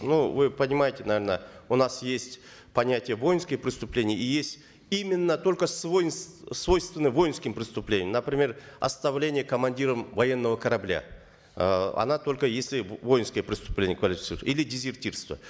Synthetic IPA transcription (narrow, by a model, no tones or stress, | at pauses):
nuvɨpənʲɪmajɪtʲɪnɐvʲernəʊnasjesʲtʲ | pɐnʲætʲɪjəvo̞jɪnskʲɪjpɾʲɪst̪ʊplʲenʲɪjəijesʲtʲ | imʲɪnːət̪o̞lʲkəsvojɪnsvo̞jst̪vʲɪnːɨvo̞jɪnskʲɪmpɾʲɪst̪ʊplʲenʲɪəmnəpɾʲɪmʲe̞rɐ̰st̪ɐvlʲenʲɪjəkəmɐnʲdʲiɾəmvɐjenːəvəkəɾɐblʲa̰ | ɐ̰nat̪o̞lʲkəjesʲlʲɪvo̞jɪnskəjəpɾʲɪst̪ʊ̥plʲenʲɪjəkvɐlʲɪfʲɪ̥t̪sɨɾt̪ilʲɪdʲɪzʲɪrtʲirst̪və̰